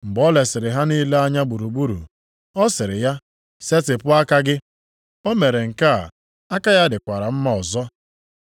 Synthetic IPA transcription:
ŋ͡m̩˨ɡ͡bɔ˦le˨sɪ˨ɾɪ˨ɦa˦ni˦le˦a˦ɲa˦ɡ͡bu˨ɾu˨ɡ͡bu˦ɾṵ˨ | ɔ˦sɪ˨ɾɪ˨ja˦ | se˦tɪ˨pʊ˦a˦ka˦ɡɪ˦ | o˦me˨ɾe˨ŋ̩˨ka˦˨ | a˦ka˦ja˦dɪ˨kʷa˨ɾa˨m̩˦ma˦ɔ˨zɔ˦

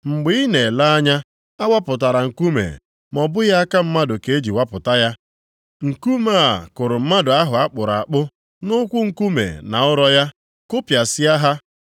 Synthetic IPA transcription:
ŋ͡m̩˨ɡ͡bɪ˦i˦ne˨la˦a˦ɲa˦ | a˦wa˦pʊ˨t̬a˨ɾa˨ŋ̩˨ku˦mḛ˨ | mɔ˨bʊ˦ja˦a˦ka˦m̩˦ma˦dʊ˨ke˨˦e˦d͡ʒi˨wa˦pʊ˨ta˦ja˦ | ŋ̩˨ku˦ma˦˨kʊ˨ɾʊ˨m̩˦ma˦dʊ˨a˦ɦʊ˨a˦k͡pʊ˨ɾa˨a˨k͡pʊ˦ | nʊ˦kʷʊ˦ŋ̩˨ku˦mḛ˨na˨ʊ˦ɾɔ˦ja˦ | kʊ˦pja˨sɪ˦a˦ɦa˦

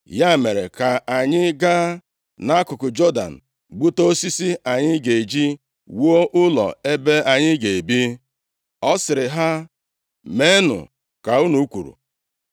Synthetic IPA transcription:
ja˦˨me˨ɾe˨ka˨a˨ɲɪ˦ɡa˦ | na˦kʊ˨kʊ˨d͡ʒɔ˦da̰˨n̩˨ | ɡ͡bu˦to˦si˦si˦a˨ɲɪ˦ɡe˨e˨d͡ʒi˦ | wo˦ʔʊ˦lɔ̰˨e˦be˦a˨ɲɪ˦ɡe˨e˨bi˦ | ɔ˦sɪ˨ɾɪ˨ɦa˦ | me˦nʊ̰˨ | ka˨u˦nu˨˦kʷṵ˨ɾṵ˨

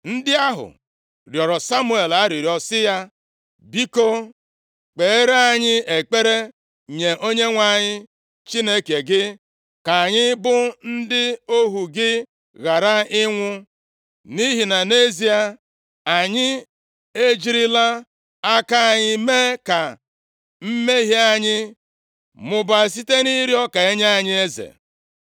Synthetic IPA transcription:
n̩˦dɪ˦a˦ɦʊ̰˨ | ɾjɔ˨ɾɔ˨sa˦mu˦e˨la˦ɾi˨ɾi˨ɔ˨sɪ˦ja˦ | bi˦ko˦ | k͡pe˨e˦ɾa˨ɲɪ˦e˨k͡pe˦ɾe˦ | ɲe˨ʔo˦ɲe˦ŋʷa˨ɲɪ˦ | t͡ʃi˦ne˦ke˨ɡɪ˦ | ka˨ɲɪ˦bʊ˦n̩˦dɪ˦o˦ɦu˨ɡɪ˦ | ɣa˨ɾa˦ɪ˦ŋʷʊ˦ | ni˦ɦi˨na˨ne˦zi˦a˨ | a˨ɲɪ˦ | e˦d͡ʒi˦ɾi˦la˦ | a˦ka˦a˨ɲɪ˦me˦ka˨ | m̩˦me˦ɦi˦a˨ɲɪ˦ | mʊ˨ba˨s̬i˦te˦ni˦ɾjɔ˦ka˨e˦ɲa˦a˦˨ɲɪ˦e˦zḛ˨

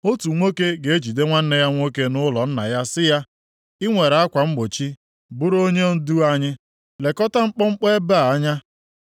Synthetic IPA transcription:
o˦tu˨ŋʷo˦ke˦ɡe˨e˦d͡ʒi˨de˦ŋʷa˦n̩˦ne˦ja˦ŋʷo˦ke˦nʊ˦lɔ˨n̩˦na̰˨ja˦sɪ˦ja˦ | ɪ˦ŋʷe˨ɾa˦kʷa˨ŋ͡m̩˦ɡ͡bo˨t͡ʃi˦ | bʊ˦ɾo˦ɲe˦n̩˦du˦a˦ɲɪ˦ | le˨kɔ˦ta˦ŋ͡m̩˦k͡pɔ˦ŋ͡m̩˦k͡pe˦ba˦˨a˦ɲa˦

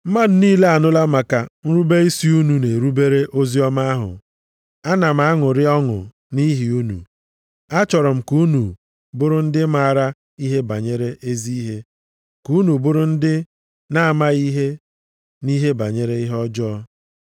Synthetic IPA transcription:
m̩˦ma˦dʊ˨niː˦le˦a˨nʊ˦la˦ma˨ka˨n̩˦ɾu˦be˦i˦si˦u˦nu˨ne˨ɾu˦be˦ɾe˦ʔo˦zi˦ɔ˦ma˦a˦ɦʊ̰˨ | a˦na˨m̩˨a˦ŋʊ˨ɾɪ˦ɔ˦ŋʊ̰˨ | ni˦ɦi˨u˦nṵ˨ | a˦t͡ʃɔ˨ɾɔ˨m̩˨ku˦nu˨ | bʊ˦ɾʊ˦n̩˦dɪ˦ma˦˨a˨ɾa˦ | i˦ɦe˦ba˨ɲe˦ɾe˦ʔe˦zi˦i˦ɦe˦ | ku˨˦nu˨bʊ˦ɾʊ˦n̩˦dɪ˦ | na˦a˨ma˦i˦ɦe˦ | ni˦ɦe˦ba˨ɲe˦ɾe˦i˦ɦɔ˦d͡ʒɔː˦

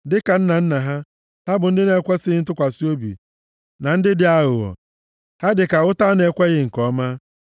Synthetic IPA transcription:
dɪ˦ka˨n̩˦na˨n̩˦na˨ɦa˦ | ha˦bʊ˨n̩˦dɪ˦ne˨kʷe˦sɪ˦n̩˦tʊ˦kʷa˨si˦o˦bḭ˨ | na˨n̩˦dɪ˦dɪ˨˦a˦ɣʊ˨ɔ̰˨ | ha˦dɪ˨ka˨ʊ˦ta˦ne˨kʷe˦ɣɪ˦ŋ̩˨kɔ˦ma˦

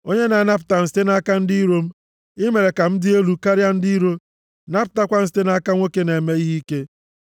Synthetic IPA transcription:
o˦ɲe˦na˨na˦p̬ʊ̥˨ta˨n̩˦ste˦na˦ka˦n̩˦di˦ɾo˦m̩˦ | ɪ˦me˨ɾe˨ka˨m̩˦dɪ˦e˦lu˨ka˦ɾja˦n̩˦di˦ɾo˦ | na˦p̬ʊ̥˨ta˦kʷa˦n̩˦s̬te˦na˦ka˦ŋʷo˦ke˦ne˨me˦i˦ɦi˦ke˦

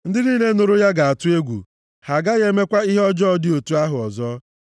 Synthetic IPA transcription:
n̩˦dɪ˦niː˦ne˦no˨ɾo˦ja˦ɡa˨a˨tʊ˦e˦ɡʷṵ˨ | ha˨ɡa˦ɣe˦me˦kʷa˦i˦ɦe˦ɔ˦d͡ʒɔ˦ɔ˦dɪ˦o˨tu˦a˦ɦʊ˨ɔ˨zɔ˦

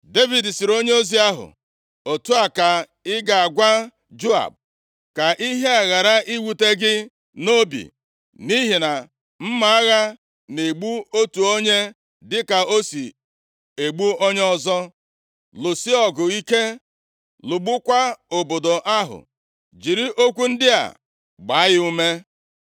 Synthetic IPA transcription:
de˦vi˨dsi˨ɾo˦ɲe˦o˦zi˦a˦ɦʊ̰˨ | o˨tu˦a˨ka˨ | ɪ˦ɡa˨a˨ɡʷa˦ | d͡ʒo˦a̰˨b̚ | ka˨ʔi˦ɦe˦a˨ɣa˨ɾa˦ʔi˦wu˨te˦ɡɪ˦ | no˦bḭ˨ | ni˦ɦi˨na˨ | m̩˦ma˨a˦ɣa˦ | ne˨ɡ͡bu˦o˦tu˨o˦ɲe˦ | dɪ˦ka˨o˦si˨ | e˨ɡ͡bu˦o˦ɲe˦ɔ˦zɔ˦ | lʊ˨si˦ɔ˨ɡʊ˨i˦ke˦ | lʊ˨ɡ͡bʊ˦kʷa˦o˨bo˨do˨ʔa˦ɦʊ̰˨ | d͡ʒi˨ɾi˦ʔo˦kʷu˦n̩˦dɪ˦a̰˨ | ɡ͡ba˨˦ɣɪ˦u˦me˦

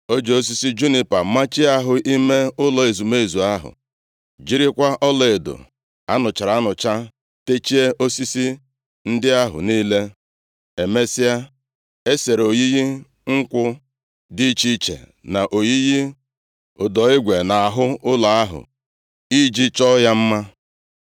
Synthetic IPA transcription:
o˦d͡ʒe˨o˦s̬i˦si˦d͡ʒu˦ni˦˨pa˨ma˦t͡ʃɪ˦a˦ɦʊ˨ʔi˦me˦ʊ˦lɔ˨e˨zu˨me˦˨zu˨a˦ɦʊ̰˨ | d͡ʒi˦ɾɪ˦kʷa˦ʔɔ˦lɔ˨e˨do̰˨ | a˦nʊ˨t͡ʃa˨ɾa˨˦nʊ˨t͡ʃa˦ | te˦t͡ʃi˦e˦ʔo˦si˦si˦ | n̩˦dɪ˦a˦ɦʊ̰˨niː˦le˦ | e˨me˦sɪ˦a˦ | e˦se˨ɾo˨ji˦ɣi˦ | ŋ̩˦kʷʊ˦ | di˦t͡ʃi˦t͡ʃḛ˨ | na˨ʔo˨ji˦ji˦ | ʊ˨dɔ˨ɪ˦ɡʷe˨na˨a˨ɦʊ˦ʊ˦lɔ˨a˦ɦʊ̰˨ | i˦d͡ʒi˦t͡ʃɔ˦ja˦m̩˦ma˦

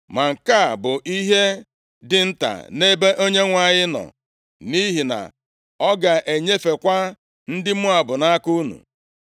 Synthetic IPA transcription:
ma˨ŋ̩˨ka˦˨bʊ˨ʔi˦ɦe˦ | dɪ˨n̩˦ta̰˨ne˦be˦ʔo˦ɲe˦ŋʷa˨ɲɪ˦nɔ̰˨ | ni˦ɦi˨na̰˨ | ɔ˦ɡa˨ʔe˨ɲe˦fe˨kʷa˦ | n̩˦dɪ˦mʊ˦a˨bʊ˨na˦ku˦nṵ˨

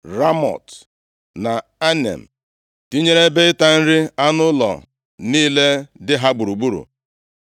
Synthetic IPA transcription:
ɾa˦mɔ̰˨t | na˨a˦nḛ˨m̩˨ | ti˦ɲe˦ɾe˦be˦ɪ˦ta˦n̩˦ɾɪ˦a˦nʊ˦lɔ̰˨ | niː˦le˦dɪ˦ɦa˦ɡ͡bu˨ɾu˨ɡ͡bu˦ɾṵ˨

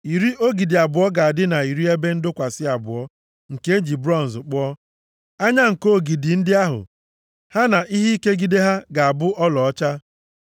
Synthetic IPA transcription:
i˨ɾi˦ʔo˦ɡi˨dɪ˨a˨bʊ˨ɔ˦ɡa˨a˨dɪ˦na˨i˨ɾi˦e˦be˦n̩˦dʊ˦kʷa˨sɪ˦a˨bʊ̰˨ɔ˦ | ŋ̩˨ke˦e˦d͡ʒi˨bɾɔ˦˨n̩˨zʊ˨k͡pɔ˦ɔ˦ | a˦ɲa˦ŋ̩˨ko˦˨ɡi˨dɪ˨n̩˦dɪ˦a˦ɦʊ̰˨ | ha˦na˨ʔi˦ɦi˦i˦ke˦ɡi˦de˦ɦa˦ɡa˨a˨bʊ˦ʔɔ˦lɔ˨ɔ˦t͡ʃa˦

